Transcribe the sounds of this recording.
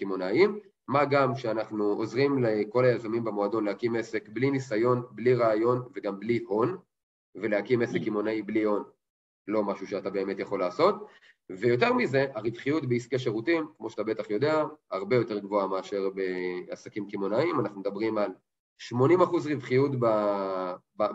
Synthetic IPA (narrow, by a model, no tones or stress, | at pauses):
kimonaimː | aɡamkʃeanaχnuo̞zʁimleko̞lajazamimbemoado̞nlehakime̞se̞kblinisajo̞nbliʁaːjo̞nve̞ɡambliho̞n | ve̞leakime̞sekimo̞naiblio̞n | lo̞maʃuʃeatabe̞ːme̞tjeχo̞laːso̞t̚ | ve̞jo̞t̬e̞ʁmize̞ʔaʁivχijutbeiskeʃeʁutimkmo̞ʃatabe̞taχjo̞de̞ahaʁbe̞jo̞te̞ʁɡvo̞ameːʃe̞ʁbe̞asakimkimo̞naimanaχnumed̪abʁimal | ʃmo̞nimaχuzʁivχijutba | ba